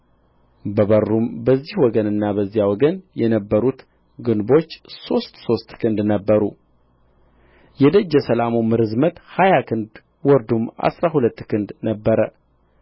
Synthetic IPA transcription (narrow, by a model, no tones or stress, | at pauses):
bəβərːumbəzːihwɔɡənɨnːaβəzːijawɔɡənjɛnəbːəɾut̪ | ɡɨnbo̞t͡ʃːso̞st̪so̞st̪kʰɨnd̪nəbːəɾu | jɛd̪əd͡ʒːɛsəlamomɨɾɨzmət̪hajakʰɨnd̪ | wɔɾd̪uma̰sɾaɦulət̪ːkʰɨnd̪nəbːəɾə